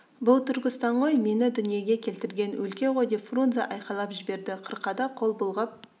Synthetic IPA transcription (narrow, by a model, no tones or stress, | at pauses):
bʊlˠt̪ʰʏɾɡʲɪst̪ɑɴʁo̞jme̞nɪd̪ʏnije̞ɡʲe̞kʲʰe̞lt̪ɪɾɡʲe̞nwʔɵlkʲe̞ʁo̞jd̪e̞pfrunzɑʔɑjqɑlˠɑpʒɪbe̞ɾd̪ɪqʰəɾqɑd̪ɑqʰo̞lˠbʊlˠʁəp̚